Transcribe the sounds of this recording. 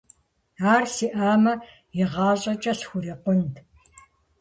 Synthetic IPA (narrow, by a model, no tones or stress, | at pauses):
aːrsiʔaːmɐ | jɪʁɑːɕʼɐt͡ʃʼɐsxʷʊɾiːqʷʊnd